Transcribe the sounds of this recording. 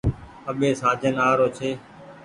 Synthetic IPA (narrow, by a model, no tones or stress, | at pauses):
əɓeːsaːd͡ʒənaːɾoːt͡ʃʰeː